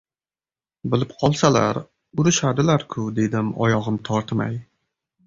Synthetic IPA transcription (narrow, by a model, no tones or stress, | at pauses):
bɪlɪpqʰɒlˠsala̰ɾ | ʊɾɪʃad̪ɪlaɾkʰʊd̪e̞d̪ɪmɒ̰jɒʁɨmt̪ʰɒɾt̪ʰma̰j